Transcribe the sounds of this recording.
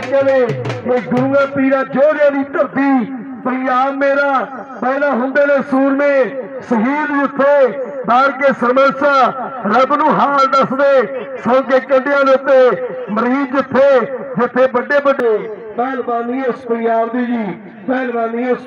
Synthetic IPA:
kəleːmẽːɡʊɾŋãːpiːɾãːd͡ʒoːɾjãːnĩːkəɾt̪iː | pəjaːbmeːɾaː | bɛːnaːɦʊ̃nd̪eːneːsuːɾmẽːsəɦiːld͡ʒɪt̪ʰːeːb̪aːɽkeːsəɾməsaːɾəbnũːɦaːɾd̪əsd̪eːsõːkeːkə̃ɳɖɪjãːneʊt̪ːeːməɾiːnd͡ʒɪt̪ʰːeːd͡ʒɪt̪ʰːeːbəɖeːbəɖeː | mɛːlbaːnĩːʊspəɾjaːbd̪iːd͡ʒiː | mɛːlbaːniːʊs

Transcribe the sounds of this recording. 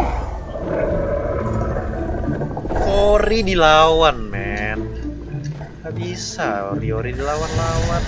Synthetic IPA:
koɾidilawanmɛn | habisarioɾidilawanlawan

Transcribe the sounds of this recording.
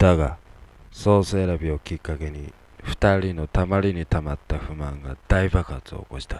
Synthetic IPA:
d̪̥aɡaso̞ːsɨeɾabʲio̞kʲikːake̞ɲ̟i | ɸɯ̥t̪aɾʲino̞t̪amaɾʲiɲ̟it̪amat̪ːaɸɯ̟mãŋɡad̪aibakat͡sɨo̞̰ko̞ɕi̥t̪ḁ

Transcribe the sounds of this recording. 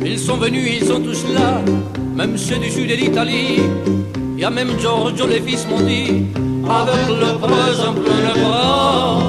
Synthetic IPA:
ilsɔ̃vənyilsɔ̃t̪usla | mɛmsed̪ysyd̪elit̪ali | eamɛmʒɔ̃ʁʒolefismɔ̃d̪i | avɛkləpøzɛ̃pøləpʁɔ

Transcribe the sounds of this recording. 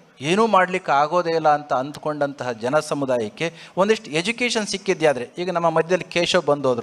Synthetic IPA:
eːnuːmaːɽlikːeaːɡo̞ːd̪ɛːlːɐːnt̪ɐːnd̪ko̞ɳɖɐnt̪ɐɦɐd͡ʒɐnɐsɐmud̪aːjɐkːe̞o̞nd̪iʂʈed͡ʒukeːʃɐnsikːid̪jaːd̪ɐɾeiːɡɐnɐmːɐmɐd̪ʱjɐd̪ɐlːikeːʃoːbɐnd̪oːd̪ɐɾu

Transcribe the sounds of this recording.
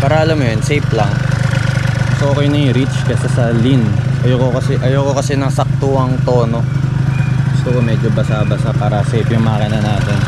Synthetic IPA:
paɾɐʔɐlɐmːojonsejplɐŋ | sʔo̞ːkɛjnɐɾit͡ʃkɐsɐsɐlinʔɐjoːkokɐsɛʔɐjoːko̞kɐsɛnɐŋsɐk̚t̪uɐŋt̪o̞ːno̞ | ɡ̥ʊst̪okomɛd͡ʒobɐsabɐsapaːɾɐsejpjʊŋmɐʔakɪnɐnaːt̪ɛn

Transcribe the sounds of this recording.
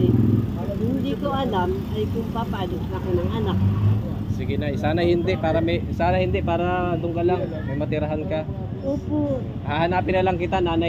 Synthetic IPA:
hɪnd̪ikoʔɐlamʔɐjkʊmpapaːloknɐkonɐŋʔɐnak̚ | sɪɡɪnajsaːnɐhɪnd̪ɛʔpaːɾɐmɛsaːnɐhɪnd̪ɛʔpaːɾɐd̪ʊŋkalaŋ | mɐmɐt̪ɪɾaɦanka | ʔoːpo | hahɐnaːpɪnːɐlɐŋkɪt̪anaːna

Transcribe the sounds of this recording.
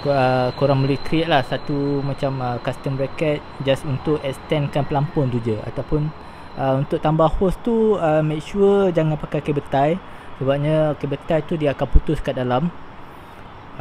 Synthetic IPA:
kəkoɾaŋməlikɾieʔ̪̚lahsat̪umãt͡ʃaməkast̪əmɾakɛt̪̚d͡ʒasunt̪ʊʔɛkst̪ɛnkanpəlampʊnd̪ud͡ʒəa̰t̪awpʊn | ʔəunt̪ʊʔ̚t̪ambahhɔst̪uəmek̚ʃuəd͡ʒaŋãnpakajkabət̪aj | səbap̚ɲakəbət̪ajt̪udiaakanput̪ʊskadalam

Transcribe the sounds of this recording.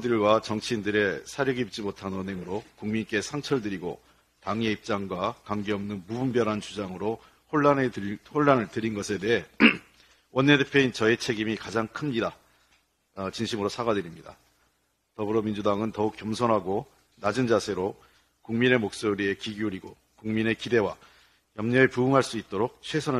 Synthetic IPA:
dɯɭɡwat͡ɕʌŋt͡ɕʰiindɯɾe̞sʰaɾjʌɡiit͡ɕ͈imotʰanwʌnɦeŋɯɾokuŋmink͈e̞sʰaŋt͡ɕʰʌɭdɯɾiɡo̰ | taŋie̞ip̚t͡ɕ͈aŋɡwakwaŋɡe̞ʌmnɯnmubumbjʌɾɦant͡ɕud͡ʑaŋɯɾo | hoɭːanhoɭːanɯɭtɯɾinɡʌsʰe̞de̞e | wʌnːedepʰjeoint͡ɕʌet͡ɕʰe̞ɡimikad͡ʑaŋkʰɯmɲida | t͡ɕinɕʰimɯɾosʰaɡadɯɾimɲida̰ | tʌbɯɾʌmind͡ʑudaŋɯntʌuk͈ːjʌmsʰʌnɦaɡo | nad͡ʑɯnd͡ʑasʰe̞ɾo | kuŋmine̞mok̚s͈oɾie̞kiɡiuɾiɡo | kuŋmine̞kide̞wa | jʌmɲʌepuuŋɦaɭs͈uit̚t͈oɾok̚t͡ɕʰwesʰʌnɯ

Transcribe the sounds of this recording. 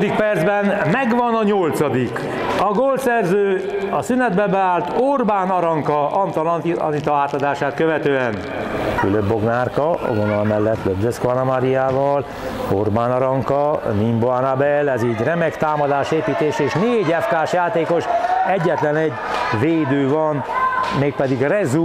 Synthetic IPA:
d̪ik̚pɛrd̪zbɛnmɛɡʋɒnɒɲolt̪sɒd̪ik | ɒɡolt̪sɛrzøːɒsynɛd̪bɛbɛaːlt̪orbaːnɒɾɒŋkɒʔɒnt̪ɒlɒnt̪iɒ̰nit̪oaːt̪ɒd̪aːʃaːt̪̚køvɛt̪øːɛn | kyløbːo̞ɡnaːrkɒɒ̰ɡonɒlmɛlːɛt̪ːløbzøskanɔmaɾiaːvɒl | orbaːnɒɾɒŋkɒnimboanabɛlɛziːɟrɛmɛkt̪aːmɒd̪aːʃeːpiːt̪eːʃɛeːʃneːɟɛfkaːʃjaːt̪eːko̞ʃɛɟːɛt̪lɛnɛɟ | veːd̪øːvɒnmeːk̚pɛd̪iɡrɛzu

